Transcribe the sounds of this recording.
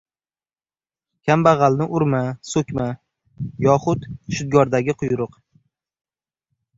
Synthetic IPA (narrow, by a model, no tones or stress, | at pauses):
kʲʰambaʁɑlnɪʔʊɾmasɵkʲma | jɒχʊt̪ʃʊd̪̚ɡɒɾd̪aɡʲɪqʰʊjɾʊq